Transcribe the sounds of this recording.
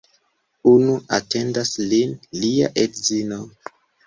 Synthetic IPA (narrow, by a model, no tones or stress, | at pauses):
unuʔa̰te̞ndaslinlia̰ʔetzino